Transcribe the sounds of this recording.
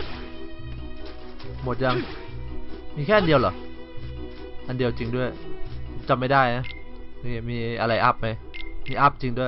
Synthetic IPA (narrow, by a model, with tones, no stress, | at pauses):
mo˨˩t̪̚ja˧ŋ | miː˧kʰɛː˥˩ʔa˧ndi˧əwlɔ̰˨˩˦ | ʔa˧ndi˧əwt͡ɕi˧ŋdu˥˩əjt͡ɕa˧mːa˥˩jdaː˥˩jna˦˥miː˥˧˩miː˧ʔa˧ɾa˧jʔa˦˥p̚ma˦˥j | miː˧ʔa˦˥˩p̚t͡ɕi˧ŋdu˥˩əj